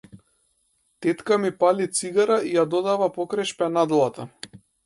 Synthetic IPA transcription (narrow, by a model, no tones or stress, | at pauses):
t̪ɛt̪kamipalit̪siɡaɾaijad̪ɔd̪avapɔkɾajʃpɛnad̪lˠat̪a